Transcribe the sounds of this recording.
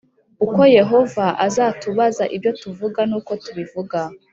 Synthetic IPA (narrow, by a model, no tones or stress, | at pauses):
uko̞je̞ɦo̞vaʔazaːtuβazaʔibjo̞tuvuɡanuːko̞tuβivuɡa